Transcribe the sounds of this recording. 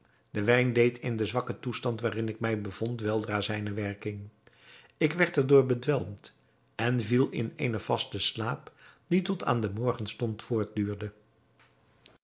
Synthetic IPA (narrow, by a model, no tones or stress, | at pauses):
dəʋɛjndejtʰɪndəzʋɑkətustɑntʋaːrɪnɪkmɛjbəv̥ɔntʋɛlˠdraːzɛjnəʋɛɹkɪŋ | ɪkʋɛɹtɛɹdʊːɹbədʋɛlˠmt | ɛnvilˠɪ̰nḛjnəv̥ɑstəslaːpd̥itɔtʰa̰ːndəmɔɹχənstɔntfʊːɹt̚dyːɹdə